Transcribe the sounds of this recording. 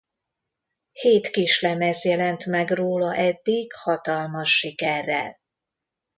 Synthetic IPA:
heːt̪kiʃlɛmɛzjɛlɛnt̪mɛɡroːlɒʔɛd̪ːiɡhɒt̪ɒlmɒʃːikɛrːɛ̰l

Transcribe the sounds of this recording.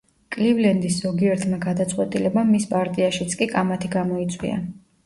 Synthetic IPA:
kʼlivlɛnd̪isz̥ɔɡiɛɾt̪ʰmaɡad̪at̪sʼqʼwɛt̪ʼilɛbamːispʼaɾt̪ʼiaʃit̪sʰkʼikʼamat̪ʰiɡamɔit̪sʼwḭa̰

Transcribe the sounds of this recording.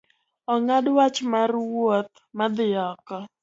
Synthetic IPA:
ɔŋadwat͡ʃmarwot̪̚ | mad̪ɪɔkɔ

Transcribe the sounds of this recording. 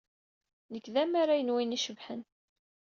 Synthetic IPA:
nəkːðæmaɾajənwiniʃəvħən

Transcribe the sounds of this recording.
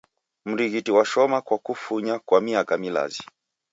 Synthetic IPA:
m̩ɾiɣitiwaʃɔmakwakufuɲakwamiakamila̰zi

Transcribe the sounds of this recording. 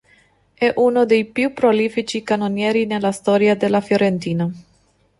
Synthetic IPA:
ɛʔunod̪ejpjupɾolifit͡ʃikanonjeɾinelast̪oɾiad̪elafjoɾent̪iːna

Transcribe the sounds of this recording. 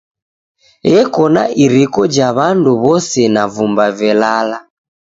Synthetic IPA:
jɛkɔna̰ʔiɾikɔd͡ʒaβanduβɔsɛnavumbavɛlala

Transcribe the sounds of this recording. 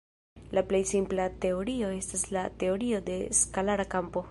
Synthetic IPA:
laplejsimplate̞o̞ɾio̞e̞staslate̞o̞ɾio̞de̞skalaɾakampo̞

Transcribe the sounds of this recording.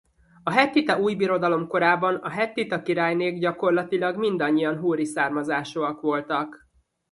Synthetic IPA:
ɒɦɛt̪ːit̪ɒuːjbiɾo̞d̪ɒlo̞mko̞ɾaːbɒnɒɦɛt̪ːit̪ɒkiɾaːjneːɡɟɒko̞rlɒt̪ilɒɡmind̪ɒɲːijɒnɦuːɾisaːrmɒzaːʃoɒkʋo̞lt̪ɒk

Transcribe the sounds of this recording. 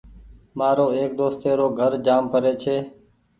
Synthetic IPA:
maːɾoːeːk̚d̪oːst̪eːɾoːɡʱəɾd͡ʒaːmpəɾeːt͡ʃʰeː

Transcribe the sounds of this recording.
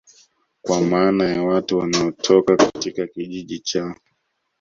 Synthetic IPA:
kwamaːnajawatuwanaɔtʰɔkakatikakiʄiʄit͡ʃa

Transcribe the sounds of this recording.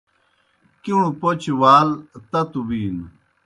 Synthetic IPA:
kiɳ̃upot͡ɕwaːlt̪ɐt̪ubiːn

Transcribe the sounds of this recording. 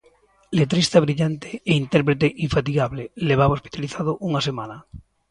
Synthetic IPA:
let̪̬ɾist̪aβɾiʎant̪e̥eint̪eɾpɾet̪̬eʔiɱfat̪̬iɣaβleleβ̞aβaospi̥t̪aliθað̞ʊʔuŋasemana

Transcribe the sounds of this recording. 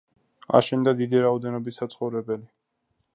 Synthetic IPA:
a̰ʃɛnd̪ad̪id̪iɾaɔd̪ɛnɔbisːat̪sʰχɔvɾɛbɛli

